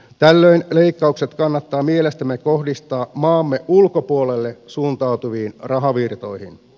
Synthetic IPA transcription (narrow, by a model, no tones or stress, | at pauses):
t̪ælːø̞inle̞ikːɑukse̞t̪kɑnːɑt̪ːɑːmielest̪æmːeko̞hdist̪ɑːmɑːmːe̞ʔulko̞puole̞lːesuːnt̪ɑut̪uʋiːnrɑɦɑʋirt̪o̞̰jhin